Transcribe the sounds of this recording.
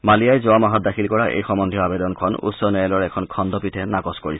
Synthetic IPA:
malijajzoamaɦɔt̚dakʰilkɔɹaʔḛjxɔmɔnd̪ʱijɔabedɔnkʰɔnṵtsɔnɛlɔɹɛkʰɔnkʰɔnd̪ɔpitʰɛnakɔskoɹisɛ

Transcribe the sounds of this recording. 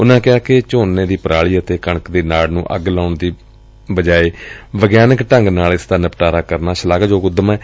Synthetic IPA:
ʊnãːkɪaːkɪt͡ʃoːnːeːd̪iːpəɾaːɭiːət̪eːkəɳ̃əkd̪eːnaːɽnũːʔə̰ɡlaːʊɳd̪iː | bəd͡ʒaːeːbəɡjaːnəkʈəŋɡnaːlɪsd̪aːnəpʈaːɾaːkəɾnaːʃəlaːɡd͡ʒoːkʊd̪əmɛː

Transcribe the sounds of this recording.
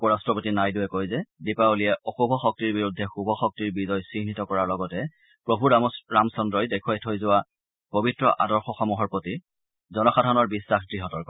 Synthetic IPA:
pɔɹastɹɔpotinajdʊɛkojzɛdipaulijɛʔɔxubʱɔxɔk̚tiɹbiɹudʱːɛxubʱɔxɔk̚tiɹbizɔjsinitɔkɔɹaɹlɔɡɔtɛ | pɹobʱuɹaɹamsɔndɹɔjdɛkʰʊajtʰojzʊwa | pobitɹɔʔa̰dɔɹxɔxɔmuɦɔɹpɹoti | zɔnɔxadʱanɔɹbisːaxdɹiɦɔtɔɹkɔ

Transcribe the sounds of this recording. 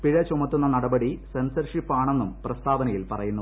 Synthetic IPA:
piɻɐt͡ɕumɐt̪ːunːɐnɐɽɐbɐɽisensɐrʂipːaːɳe̞nːumprɐst̪aːʋɐnɐjilpɐrɐjunːu

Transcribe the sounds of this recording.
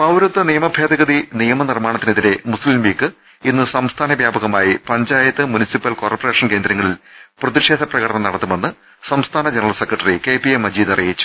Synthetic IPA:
pɐwɾut̪ːɐnijɐmɐbʱjeːd̪ɐɣɐðinijɐmɐnirmaːɳɐt̪ːineðiɾe̞muslimliːkːɨ | inːɨsɐmst̪ʰaːnɐʋjaːbɐɣɐmaːjipɐɲd͡ʑaːjɐt̪ːɨmunisipːɐlko̞ːrpːɐre̞ːʂɐnke̞ːnd̪ɾɐŋːɐɭilprɐðiʂe̞ːd̪ʱɐprɐɣɐɽɐnɐmnɐɽɐt̪ːume̞nːɨ | sɐmst̪ʰaːnɐd͡ʑenɐrɐlse̞krɐʈːɐrikeːpiemːɐd͡ʑiːd̪ɐrijit͡ɕːu̥

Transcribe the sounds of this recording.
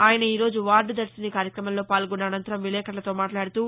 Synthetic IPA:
aːjɐnɐiːɾo̞ːd͡ʒuʋaːɾɖud̪ɐɾsinikaːɾjɐkɾɐmɐmlo̞ːpaːlɡɔnːɐːnɐnt̪ɐɾɐmʋilɛːkɐʈlɐt̪o̞ːmaːʈlaːɽut̪uː

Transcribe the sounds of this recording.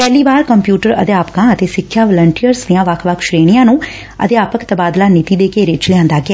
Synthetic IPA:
pɛːliːbaːɾkəmpjuːʈəɾə̰d̪eːaːpkãːət̪eːsɪkʰːjaːʋələɳʈijəɾsd̪ijãːʋəkʰʋəkʰʃɾeːɽ̃ɪjãːnũː | ə̰d̪eaːpəkt̪əbaːd̪laːnɪt̪iːd̪eːkeːɾɪt͡ʃlɪãːnd̪aːɡɪɛː

